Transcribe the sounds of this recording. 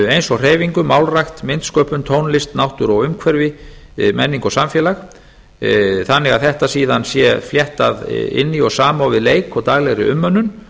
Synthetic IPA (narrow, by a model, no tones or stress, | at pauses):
ejnsɔɣr̥eːjviŋkʏmawlrajxt̪mɪnt̪skœːpʏnt̪ʰownlɪst̪nawht̪ʏɾɔɣʏmkʰvɛɾvɪ | mɛnːiŋkɔsamfjɛːlax | θanːɪɣaðθɛht̪asiːðansjɛfljɛht̪aðɪ̰nːiɔɣsaːmawvɪðleːjkʰɔt̪aːɣlɛɣɾɪ̰ʔʏmːœnːʏn